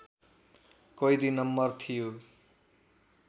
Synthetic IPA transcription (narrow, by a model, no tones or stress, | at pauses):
kojd̪inːʌmːʌrt̪ʰijo